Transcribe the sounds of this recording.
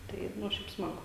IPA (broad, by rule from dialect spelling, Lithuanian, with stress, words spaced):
ˈtɐɪ ˈnʊ ˈʃʲɛɪp ˈsmɑːɡʊ